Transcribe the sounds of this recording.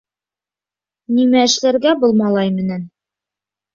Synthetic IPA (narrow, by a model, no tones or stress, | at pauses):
nimæɘ̆ʃlæɾɡæbolˠmɑlˠɑjmɘ̆næn